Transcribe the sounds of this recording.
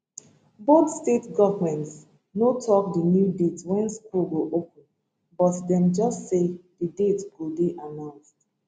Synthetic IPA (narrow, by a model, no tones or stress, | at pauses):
botstetɡɔvəmɛ̃nts | notʰɔk̚dənjudetswɛ̃nskulɡoʔopə̃n̩ | bɔtdɛ̃md͡ʒʌstsedədetswulbiʔanãnsd